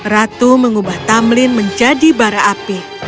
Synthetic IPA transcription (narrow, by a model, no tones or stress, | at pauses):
rat̪uməŋubaht̪amlɪnməɲd͡ʒadibaɾaʔːpi